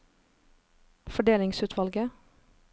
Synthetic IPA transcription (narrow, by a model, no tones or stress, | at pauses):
fɔɖeːlɪŋsʉːt̪ʰʋɑlɡə